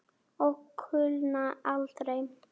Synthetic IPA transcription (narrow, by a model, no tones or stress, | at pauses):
ɔɣkʰːʏlnaalt̪ɾejm